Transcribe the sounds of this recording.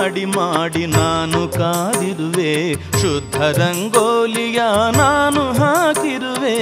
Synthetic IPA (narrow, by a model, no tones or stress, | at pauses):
ɽimaːɽinaːnukaːd̪iɾuʋeːʃud̪ʱːɐɾɐŋɡoːlijɐnaːnuɦaːkiɾuʋeː